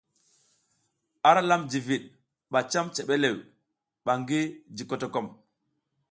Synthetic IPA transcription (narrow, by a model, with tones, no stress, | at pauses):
a˦ɾa˦la˦md͡ʒi˨vi˨ɗ̚ | ɓa˨t͡ʃa˦mt͡ʃe˨ɓe˦le˨w | ɓa˨ŋɡi˦d͡ʒi˨ko˨to˨kɔ˦˨m